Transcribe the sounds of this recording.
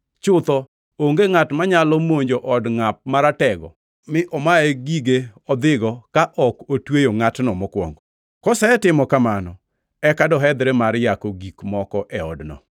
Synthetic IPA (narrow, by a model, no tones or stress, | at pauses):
t͡ʃʊt̪ɔ | oŋɡeŋatmaɲalɔmoɲd͡ʒoʔɔdŋap̚maɾatɛɡɔ̰ | mɪʔɔmaeɡiɡeɔd̪ɪɡɔkaʔɔkotwejoŋatnɔmɔkwɔ̰ŋɡ | kɔsɛɛtɪmɔkamanɔ | ɛkadɔɦɛd̪ɾemaɾjakoɡikmɔkɔʔɛɔ̰dnɔ̰